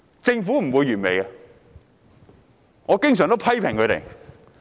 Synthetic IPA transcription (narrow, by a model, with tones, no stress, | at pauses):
t͡sɪ˧ŋfuː˨˥m̩˨˩wuː˨˧jɥyː˨˩nme˨˧jɐ˧ | ŋɔː˨˧kɪ˥ŋsœː˨˩ŋt̪o˥wpʰɐ˥jpʰɪ˨˩ŋkʰɵ˨˧t̪ḛ˨˩j